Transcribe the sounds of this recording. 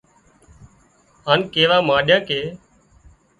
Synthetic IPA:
ɦaːnkeːʋaːmãːɗjãːkeː

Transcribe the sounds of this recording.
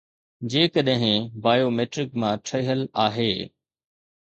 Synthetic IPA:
d͡ʑeːkəɗɦɪ̃baːjoːmeːʈɾɪkmãʈʰɐɦəlaːɦeː

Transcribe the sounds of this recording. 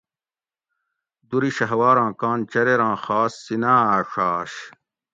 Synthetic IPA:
d̪uɾiɕɐɦwaːɾãːkãːnt͡ɕɐɾeɾãːxaːsːinãːaːʂaːɕ

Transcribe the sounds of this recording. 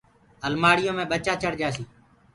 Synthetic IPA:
əlmaːɽɪjõːmẽːɓət͡ʃaːt͡ʃʰəɽd͡ʒaːsiː

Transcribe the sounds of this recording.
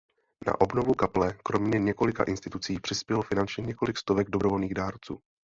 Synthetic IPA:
na̰ʔo̞bno̞vukaplɛkɾo̞mɲɛɲɛko̞lɪka̰ʔɪnst̪ɪt̪ut͡siːpr̝̥ɪspjɛlofɪnant͡ʃɲɛɲɛko̞lɪkst̪o̞vɛɡdo̞bɾovolniːɣdaːɾt͡sṵː

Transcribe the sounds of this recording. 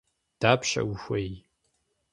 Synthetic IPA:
d̥aːpʃɐ̰wxʷej

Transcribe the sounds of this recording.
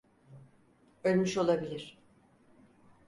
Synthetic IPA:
ølʲmyʃo̞lˠabilʲiɾ̝̥

